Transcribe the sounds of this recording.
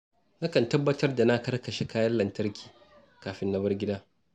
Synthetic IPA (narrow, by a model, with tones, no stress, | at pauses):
na˦kɐ˨ntɐ˦bːɐ˦tɐ˦rda˨na˦kɐ˦rkɐ˨ʃe˦kaː˦jɐ˦lɐ˨ntɐ˦rkʲʰi̥ː˨ | kaː˨ɸɪ˦nːɐ˦bɐ˦rɡʲɪ˦daː˦